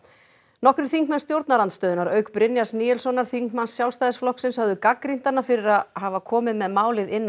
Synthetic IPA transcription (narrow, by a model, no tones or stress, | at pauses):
nɔhkɾɪ̥θiŋkmanst̪jowɾt̪naɾant̪st̪œːðʏnaɾœɥkpɾɪnjasniːjɛlsɔnaɾ̥θiŋkmansːjawlst̪ajðɪsflɔhksɪnshœvðʏkakɾin̥t̪anːafɪɾɪɾaðhaːvakʰɔːmɪðmɛðmaːwlɪðɪnːa